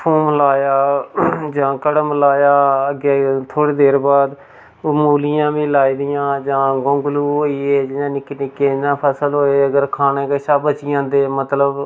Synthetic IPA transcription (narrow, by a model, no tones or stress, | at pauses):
pʰoːmlaːjaːd͡ʒãːkəɽmlaːjaːəɡeːt̪ʰoːɽeːd̪eːɾbaːd̪ | muːlɪjãːʋĩːlaːiːd̪ɪjãːd͡ʒãːɡõŋɡluːɦoːiːeːd͡ʒɪãːnɪkːnɪkːeːd͡ʒɪnãːpʰəsəlɦoːeːəɡəɾkʰaːneːkəʃaːbət͡ʃɪjãːnd̪eːmət̪ləb